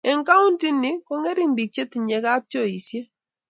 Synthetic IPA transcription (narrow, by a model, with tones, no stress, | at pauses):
ɛ˨ŋka˦u˦nti˦ni˦kɔ˦ŋɛ˦ɾi˦mbi˨k̚t͡ʃe˦ti˨ɲɛ˨˦ka˦p̚t͡ʃo˦˨i˨sje˦